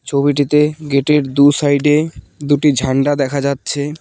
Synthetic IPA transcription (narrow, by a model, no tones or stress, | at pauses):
t͡ɕʰoβiʈ̬it̪eɡeʈeɾd̪usajɖe | d̪uʈid͡ʑʱaɳɖad̪ɛkʰad͡ʑatːɕʰe